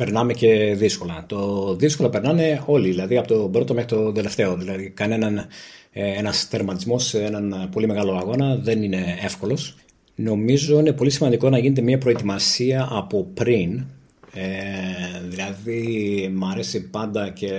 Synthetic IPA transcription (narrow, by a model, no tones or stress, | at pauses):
pe̞ɾnɐme̞ce̞ðisko̞lɐt̪oðisko̞lope̞ɾnɐme̞o̞liðilɐðiɐpo̞t̪o̞bɾo̞t̪o̞mexɾit̪o̞d̪e̞le̞ft̪e̞o̞ðilɐðikɐne̞nɐn | enɐsθe̞ɾmɐt̪izmo̞seenɐnpo̞lime̞ɣɐlo̞ɐɣo̞nɐðe̞nine̞e̞fko̞lo̞s | no̞mizo̞ine̞po̞lisimɐnd̪iko̞nɐʝinet̪e̞miɐpɾo̞et̪imɐsiɐʔːpo̞pɾin | e | ðilɐðimɐɾe̞sipɐnd̪ɐce̞